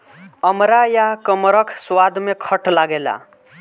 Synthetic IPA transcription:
ʌmɾajakʌmɾʌkʰswad̪ʱmekʰʌʈlaɡela̰

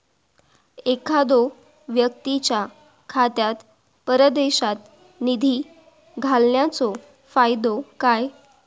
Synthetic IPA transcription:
ekʰad̪o | ʋjək̚t̪it͡ɕja | kʰat̪jat̪ | pəɾəd̪eɕat̪ | nid̪ʱiː | ɡʱalnjat͡so | fajd̪okaj

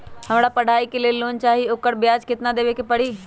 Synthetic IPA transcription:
hɐmɽapɐɽ̤ʱaːikeleːloːnt͡ʃaːɦioːkəɾbɪjaːd͡ʒkɪt̪nad̪eːʋekepɐɽ̤iː

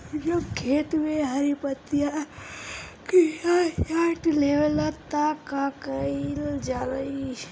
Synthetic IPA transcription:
d͡ʒɐbkʰeːt̪meɦɐɾipət̪ja | kijajaʈleːʋelat̪akakəild͡ʒaːɾəi

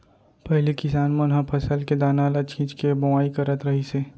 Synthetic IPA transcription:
pɛɦlikɪsaːnmɐnɦãpʰɐsəlked̪aːnalat͡ʃʰĩːt͡ʃkebɐwaːikəɾət̪ɾəɦiseː

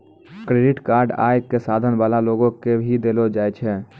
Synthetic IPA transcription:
kɾeːɖɪʈkaːɾɖa̰ːekːesaːd̪ʱənbaːlaloːɡõkebʱid̪eːlod͡ʒaːet͡ʃʰɛː

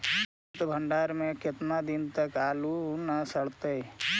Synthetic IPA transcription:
t̪bʱə̃ɳɖaːɾmẽkɪt̪nad̪ɪnt̪əkaːlunasəɽt̪e

